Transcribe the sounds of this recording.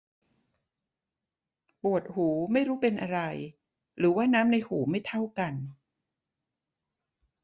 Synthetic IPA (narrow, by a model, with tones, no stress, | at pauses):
pu˨˩ət̪̚huː˩˦ma˥˩jɾuː˦˥pe˧nʔa˧ɾa˧j | ɾɯː˩˦waː˥˩naː˦˥mna˧jhuː˩˦ma˥˩jt̪ʰa˥˩wka˧n